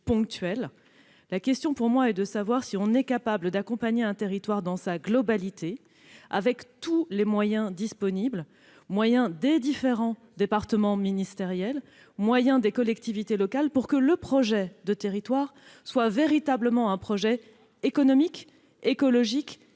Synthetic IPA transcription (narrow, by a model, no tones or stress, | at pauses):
pɔ̃kt̪ɥɛl | lakʲɛst̪jɔ̃puʁmwaɛd̪əsavwaʁsiɔ̃nɛkapabləd̪akɔ̃paɲeɛ̃t̪eʁit̪waʁd̪ɑ̃saɡlɔbalit̪e | a̰vɛkt̪ulemwajɛ̃d̪ispɔnibl | mwajɛ̃d̪ed̪ifeʁɑ̃ | d̪epaʁt̪əmɑ̃minist̪eʁjɛl | mwajɛ̃d̪ekɔlɛkt̪ivit̪elɔkalpuʁkələpχɔʒɛd̪ət̪eʁit̪waʁswaveʁit̪abləmɑ̃ɛ̃pχɔʒɛ | ekɔnɔmik | ekɔlɔʒik